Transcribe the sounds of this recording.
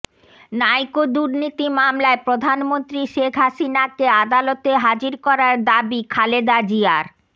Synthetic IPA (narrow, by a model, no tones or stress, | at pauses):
najkod̪uɾnit̪imamlaepɾod̪ʱanmont̪ɾiʃekʰɦaʃinakead̪alot̪eɦad͡ʑiɾkɔɾaɾd̪abikʰaled̪ad͡ʑiaɾ